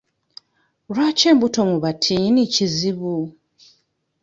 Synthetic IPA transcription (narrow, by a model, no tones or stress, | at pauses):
ɾwaːce̞ːmbuto̞muβatʰiniciziβu